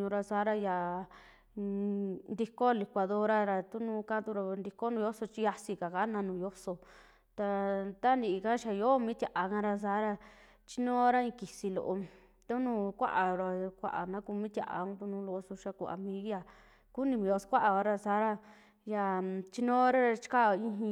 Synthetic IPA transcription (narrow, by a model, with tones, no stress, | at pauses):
ɲũ˧ɾa˧saː˧˦ɾa˧ja˨ | nd̪i˧ko˦˧li˧kʷa˧ðo˦ɾa˦ɾa˧t̪u˦nũ˧kã˦t̪u˧ɾa˧nd̪i˧ko˦nũː˧jo˦so˧t͡ʃi˧ja˧si˧ka˨ka˦nã˧nũː˧˨jo˦so˧ | t̪a˧t̪a˦nd̪i˧ka˦ʃa˧jo˦mĩ˦t̪ʲja˨ʔa˨kã˧ɾa˧s̬aː˧˦ɾa˧ | t͡ʃi˦nõː˦ɾa˦ĩ˧ki˨si˧lo̰˧ʔo˧ | t̪u˦nũː˦˧kʷa̰˦ʔa˨ɾa˧kʷa̰˧ʔa̰˨nã˦ku˧mĩ˦t̪ja̰˧˨ʔa̰˨ũ˦t̪u˧nũ˧˦lo˧ʔo˧su˧ʃa˧ku˧˨a̰˨mĩ˧˦ja˧ | ku˦nĩ˧mĩ˧o˧skʷa˦ʔa˧ka˧ɾa˧saː˧˦ɾa˦ | ja˧t͡ʃi˦nõ˦ɾa˦ɾa˧t͡ʃi̥˦ka˦˧ĩ˧ɦĩ˧